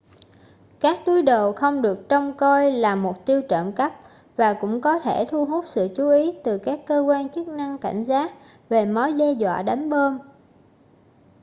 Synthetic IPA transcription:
kaː˦˥k̚t̪u˨˦jɗo˨˩xə˧wŋ͡mɗɨ˨˩ək̚t͡ɕɔ˧wŋ͡mkɔ˧jlaː˨˩mʊ˨˩k͡p̚t̪i˧əwt͡ɕə̰ː˧˨nkə˦˥p̚ | vaː˨˩kʊ̰˧˥ŋ͡mkɔ˨˦t̪ʰe˧˩t̪ʰu˧ɦu˦˥t̚sɨ̰˧˨t͡ɕu˨˦ʔi˨˦t̪ɨ˨˩kaː˦˥kːəː˧kwaː˧nt͡ɕɨ˦˥k̚na˧ŋka̰˧˩jŋ̟zaː˦˥t̚ | ve˨˩mɔ˨˦jze˧zwa̰ː˧˨ɗa˨˦jŋ̟ɓəː˧n

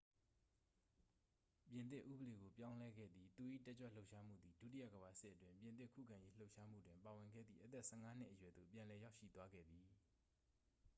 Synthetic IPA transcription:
pjɪ̃˨nt̪̬ɪ˦ʔṵ˦˨bəle˨ɡo˨pjã˦ʊ̃lɛ˦ɡɛ̰˦˨d̪ði˨t̪u˨ʔḭ˦˨tɛ˦t͡ɕwɛ˦˨lo˦ʊʔʃa˦m̥ṵ˦˨d̪ði˨dṵ˦˨ti˦ja̰˦˨ɡəba˨sɪ˦ʔətwɪ̃˦mpjɪ̃˨nɪ˦˨kʰṵ˦˨kʰã˨je˦l̥o˦ʊʔʃa˦m̥ṵ˦˨dwɪ̃˨mpa˨wɪ̃˨ŋɡɛ̰˦˨d̪ðḭ˦˨ʔət̪ɛ˦˨sɛ˦˨ŋa˦n̥ɪ̰˦ʔəjwɛ˨d̪o̰˦˨pjã˨lɛ˨ja˦ʊʃḭ˦˨t̪wa˦ɡɛ̰˦˨d̪ði˨

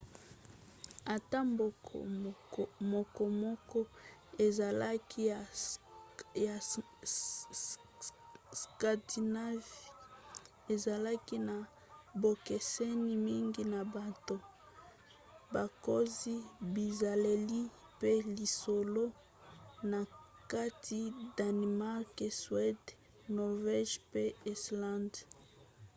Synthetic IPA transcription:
a˨ta˦mbo˨ | mo˨kɔ˨mɔ˦kɔ˦e˨za˨la˦kʰi˦˨ | ja˨ | ska˨di˨na˦vi˨ | e˨za˨la˦ki˦na˨ | bo˨ke˨se˦ni˨mi˦ŋɡi˦na˨ba˨to˨ | ba˨ko˦zi˦bi˨za˨le˨li˦ | pe˦li˨so˨lo˦ | na˨ | ka˦tʰi˦da˨n˨ma˦ʁke˨swɛ˦d | nɔ˨ʁvɛ˦ʒpe˦ɛ˨slã˦nd

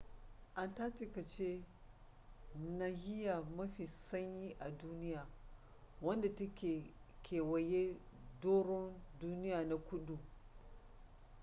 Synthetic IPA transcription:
ʔa˦nta˦tɪ˦kɐ˨t͡ʃe˦ | na˦ɦɪ˦ja˨mɐ˦ɸi˨sɐ˦ɲjiː˦ʔa˨duː˦nɪ˦jaː˨ | wɐ˦nda˨tɐ˦kʲe˨kʰʲeː˨wɐ˨je˦ | doː˦ɽɔ˦nduː˦nɪ˦jaː˨na˦kʷʊ˦ɗu˨

